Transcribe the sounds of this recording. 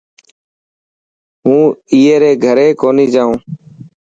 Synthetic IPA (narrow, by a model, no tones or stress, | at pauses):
ɦũːiːeːɾeːɡʱəɾeːkoːniːd͡ʒaːɦũː